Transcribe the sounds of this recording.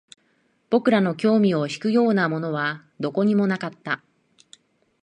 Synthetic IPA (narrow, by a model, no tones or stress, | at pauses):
b̥o̞kɯ̟ɾano̞kʲo̞ːmʲio̞çi̥kɯ̟jo̞ːnamo̞no̞βa | d̪o̞ko̞ɲ̟imo̞nakat̪ːa